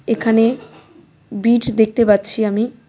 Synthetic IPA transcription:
ekʰane | biʈd̪ek̚ʰt̪epat̪ːɕʰiami

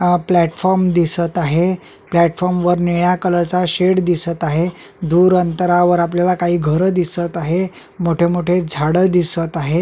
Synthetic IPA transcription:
plɛʈfɔɾmd̪isət̪aɦe | plɛʈfɔɾmʋəɾneɭjakələɾt͡saɕeɽd̪isət̪aɦed̪uːɾənt̪əɾaʋəɾapljalakaɦiːɡʱəɾəd̪isət̪aɦe | moʈʰemoʈʰed͡zʱaɽəd̪isət̪aɦe

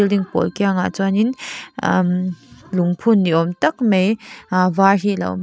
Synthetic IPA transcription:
ildiŋpɔ̰lkiaŋa̰t͡sanin | mluŋpʰunːiɔmtɐk̚mejvaɹɦilɐ̰wm

